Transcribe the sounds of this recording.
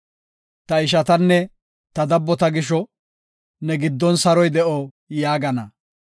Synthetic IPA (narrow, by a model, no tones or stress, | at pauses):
t̪ɐɪʃ̬ɐt̪ɐnːɛ | t̪ɐd̪ɐbːɔt̪ɐɡɪʃɔ | nɛɡɪd̪ːɔnsɐɾɔjd̪ɛʔɔ | jaːɡɐnɐ